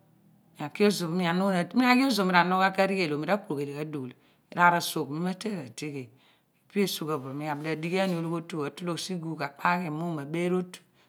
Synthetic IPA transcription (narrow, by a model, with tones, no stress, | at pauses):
mi˨a˨ki˦o˦zo˨˦mi˦a˨no˦˨˦mi˦a˦ki˦o˦zo˨mi˦ɾa˨no˦ka˦ka˦ɾi˦ɡe˨lo˨mi˦ɾa˦ku˦ɾo˨ke˨le˨ka˦du˨l | ḭ˨ɾa˨ɾa˨so˨kmi˦ma˦te˦ɾa˨te˦ɡe˨ | e˨pi˦e˦su˦ka˨bo˨mi˦a˨bi˨le˨di˦ɡe˦a˦ni˨o˦˨lo˦bo˦tu˦˨a˨tu˦lo˦˨si˦ɡu˨ka˨k͡pʰa˦ke˨mu˦ma˨be˦ɾo˦t